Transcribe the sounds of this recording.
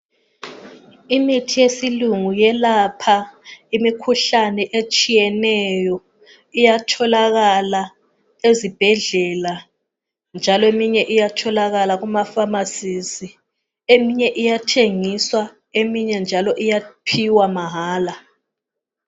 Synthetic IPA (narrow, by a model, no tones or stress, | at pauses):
imitʰijesiluŋujɛlapʰaimikʰuɬanɛʔet͡ʃʼijɛnɛjɔ | ijatʰɔlaɣala | ezib̥ʱɛɮɛla | nd͡ʒʱalɔemiɲɛʔijatʰɔlaɣalaɣumafamasizi | emiɲɛʔijatʰeŋiswa | emiɲɛnd͡ʒʱalɔʔijapʰiwamaɦaːla